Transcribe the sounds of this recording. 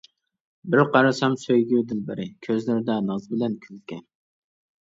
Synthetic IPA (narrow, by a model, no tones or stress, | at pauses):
bɪɾqʰɑɾɑsɑmsøjɡʲyd̪ɪnbɪɾɪkʲʰøzlɪɾɪd̪ɛnɑzbɪlɛnkʲʰylkʲɛn